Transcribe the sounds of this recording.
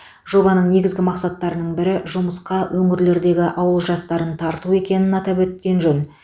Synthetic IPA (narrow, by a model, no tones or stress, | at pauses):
ʒo̞bɑnəɴne̞ɡʲɪzɡʲɪmɑqsɑt̪ːɑɾənəɴbɪɾɪʒʊməsqɑwʔɵŋɪɾle̞ɾd̪e̞ɡʲɪʔɑwəlˠʒɑst̪ɑɾənt̪ʰɑɾt̪ue̞kʲe̞nɪnɑt̪ɑpwɵt̪̚kʲe̞nʒɵn